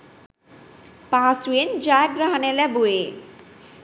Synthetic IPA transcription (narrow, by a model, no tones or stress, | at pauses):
paswend͡ʑaɡɾaɦanelɛbue